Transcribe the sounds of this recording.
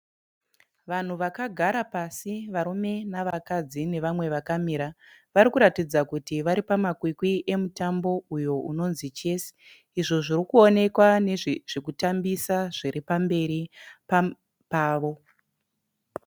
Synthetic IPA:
ʋan̤uʋakaɡʱaɾapasiʋaɾume̞naʋakad͡zine̞ʋamwe̞ʋakamiɾaʋaɾikuɾatid͡zakutiʋaɾipamakwikwiʔe̞mutambo̞ujo̞ʔuno̞nzit͡ʃe̞si̥ | iʐo̞ʐirikuone̞kwaneʐʐ̥ekutambisaʐ̥iɾipambe̞ɾipa | paːʋo̞

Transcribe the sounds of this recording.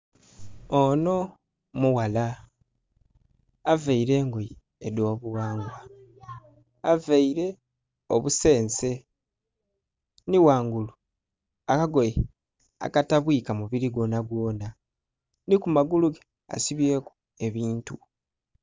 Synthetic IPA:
ono̞ | muwala | avaiɾe̞ːŋɡoji | edo̞ːβuwaːŋɡwa | avaiɾe̞ | oβuse̞ːnse̞ | niwaːŋɡulu | akaɡo̞je | a̰kataβwiːkamuβiliɡo̞ːnaɡwo̞ːna | nikumaɡuluɡe | a̰siβje̞ːku̥ | e̞βiːntu

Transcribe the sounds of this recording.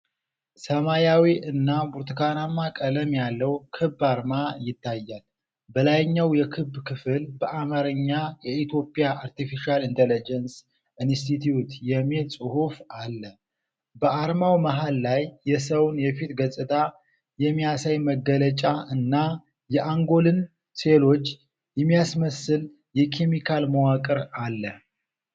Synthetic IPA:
səmajawiʔɨnːabuɾt̪ʰɨkanamːakʼələmjalːəwkʰɨbːaɾmajɪt̪ːajːal | bəlajɲːawjɛkʰɨbːkʰɨfɨlbəʔamaɾɨɲːajɛit̪ʰjo̞pʼjaʔaɾt̪ifiʃialint̪ʰɛlid͡ʒɛns | ʔinst̪it̪ʰiut̪jɛmesʼɨhufalːə | bəʔaɾmawməɦalːajːɛsəwnjɛfit̪ɡəsʼɨt̪ʰʼa | jɛmːijasajməɡːələt͡ʃʼaɨnːa | jɛʔaŋɡo̞lɨn | se̞lo̞t͡ʃː | jɛmːijasməsɨl | jɛkʰe̞mikʰalməwakʼɨɾalːə

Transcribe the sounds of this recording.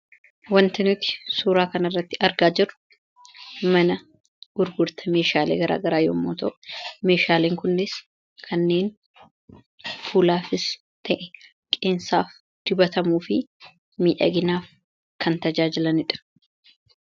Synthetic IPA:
wɐnt̪ɪnʊt̪ɪ̥suːɾaːkɐnɐrːɐt̪ːɪʔɐɾɡaːd͡ʒɪrʊ̥ | mɐnɐ | ɡ̥ʊɾɡʊɾt̪ɐme̞ːʃaːlḛːɡɐɾa̰ːɡɐɾaːjo̰ːmːoːt̪oʔme̞ːʃaːleːŋkʊnːɪs | kʰɐnːe̞ːn | fuːlaːfɪs | t̪ʰɐʔɛ | kʼeːnsaːf | d̪̥ɪbɐt̪ɐmuːfɪ | miːᶑɐ̰ɡɪnaːf | kʰɐnt̪ɐd͡ʒaːd͡ʒɪlɐnɪᶑɐ̥

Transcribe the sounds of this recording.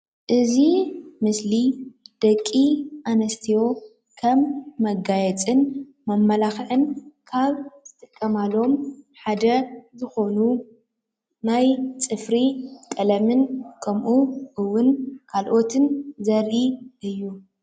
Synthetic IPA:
ʔɨzimɨslid̪̥ɐkʼːiʔanɐst̪ʰijo̞ | kʰɐmːɐɡajɛt͡sʼɨn | mɐmːɐlaxʕɨnkʰaβz̥ɨt̪ʼɨkʼːɐmalo̞mħad̪ɐzɨxo̞nu | najt͡sʼɨfɾikʼɐlɐmɨnkʰɐmʔuʔɨwːʊnkʰalʔo̞t̪ʰɨnzɐɾʔiʔɨjːu

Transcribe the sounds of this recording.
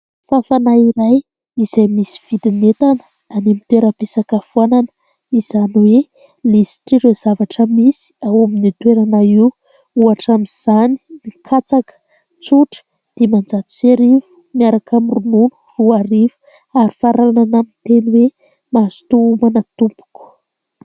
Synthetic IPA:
fafanaiɾaj | izajmisi̥v̥id̪inet̪anə | animit̪weɾəpesakafuananə̥ | izanwe | lisi̥ʈ͡ʂiɾezavaʈ͡ʂəmisi̥awaminit̪weɾanai | uaʈ͡ʂamiz̥ani̥mikʰat͡sakə̥ | t͡suʈ͡ʂə̥ | d̪̥emand͡ʒat̪i̥seɾivu̥miaɾakamirununu̥ruaɾivu̥ | aɾifaɾaananamint̪eniwe | mazi̥t̪uumanat̪umpu̥ku̥

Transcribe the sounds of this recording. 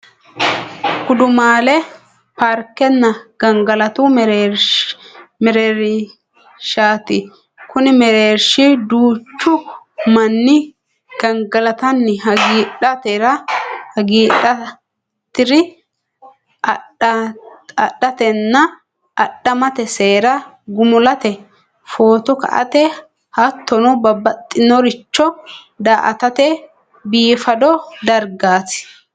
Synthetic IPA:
kʊd̪ʊmaːlɛ | paɾkːɛnːɐɡ̥ɐŋɡɐlɐt̪ʊɾeɾ | mɛɾeːɾɪ | ʃaːt̪ɪ | kʊnɪmɛɾeːɾʃɪd̪uːt͡ʃːʊ | mɐnːɪ | ɡ̥ɐŋɡɐlɐt̪ɐnːɪɦɐɡiːᶑɐt̪eɾɐhɐɡiːɗɐ | t̪ːɪɾɪ | ɐ | ɐɗɐt̪ɛnːɐ | ɐɗːɐmɐt̪ɛseːɾɐ | ɡʊmʊlɐt̪ɛ | fo̞ːt̪ɔkɐ̰ʔɐ̰t̪ɛ | hɐt̪ʰːɔnɔbɐbːɐt̪ʼːɪnɔɾɪt͡ʃːɔ | d̪aːʔɐ̰t̪ɐt̪ɛ | biːfɐd̪ɔd̪ɐɾɡaːsɪ̥

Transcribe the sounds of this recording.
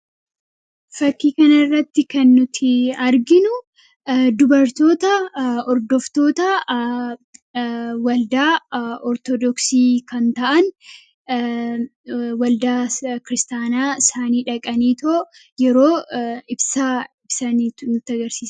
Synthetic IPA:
fɐkːiːkɐnɐrːɐt̪ːɪkɐnːʊt̪ʰɪɐɾɡɪnʊ | d̪ʊbɐɾt̪o̞ːt̪ɐɔɾd̪ɔft̪o̞ːt̪ɐ | wɐld̪aːɔɾt̪ɔd̪ɔksiːkɐnt̪ɐʔɐn | wɐld̪aːkɪɾɪst̪aːnaːsaːniːᶑɐkʼɐniːt̪o | jɛɾoːɪbsaːɪbsɐniːtnʊt̪ːɪɐɡɐɾsiːsɐ

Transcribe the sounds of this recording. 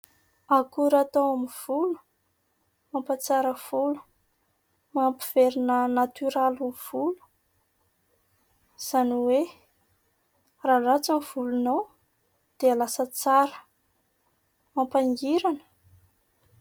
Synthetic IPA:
akuɾat̪awamiv̥ulu̥ | mampat͡saɾəv̥ulu̥ | mampiv̥eɾinənat̪yɾalamv̥ulu̥ | z̥aniwe | ralat͡samiv̥ulunaw | d̪̥ealasət͡saɾə̥ | mampaŋɡiɾanə̥

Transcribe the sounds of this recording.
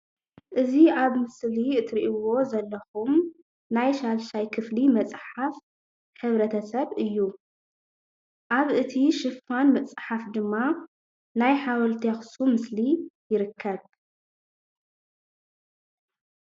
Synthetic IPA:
ʔɨziaβmɨsliɨt̪ʰɾiʔiwo̞zɐlːɐxum | najʃalʃajkʰɨflimɐt͡sʼħaf | ħɨβɾɐt̪ʰɐsɐβɨjːu | ʔaβʔɨt̪ʰiʃɨfanmɐt͡sʼħafd̪ɨmːa | najħawɐlt̪ʰexsumɨslijɪɾɨkʰːɐβ

